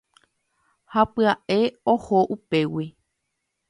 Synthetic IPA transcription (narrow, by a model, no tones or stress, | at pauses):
hapɨaʔe̞ohoʔupe̞wi